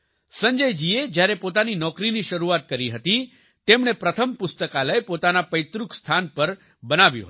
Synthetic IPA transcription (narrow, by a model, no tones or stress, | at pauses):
səɲd͡ʒəjd͡ʒied͡ʒjaɾepot̪aninɔkɾiniʃəɾuat̪̚kəɾiɦət̪i | t̪emɳepɾət̪ʰəmpʊst̪əkaləepot̪anapəjt̪ɾukst̪ʰanpəɾ | bənaʋjṵɦə